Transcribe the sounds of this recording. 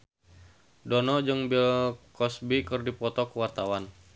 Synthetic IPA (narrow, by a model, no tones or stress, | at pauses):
dɔnɔd͡ʒɨŋbilkɔsbikɨrdipɔt̪ɔkuwart̪awan